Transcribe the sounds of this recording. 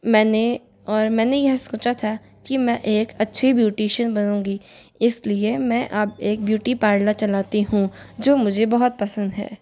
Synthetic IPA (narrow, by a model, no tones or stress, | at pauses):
mɛ̃ːne | ɔːɾmɛ̃ːnejɐɦsoːt͡ʃat̪ʰa | kimɛ̃ʔeːkɐtːʃʰibjuːʈeːʃənbɐnũːɡiɪsliemɛ̃ʔɐbeːk̚bjuːʈipaːɾlat͡ʃɐlaːt̪iɦũd͡ʒoːmʊd͡ʒʱebɐɦʊt̪̚pɐsə̃nd̪ɦɛ̰ː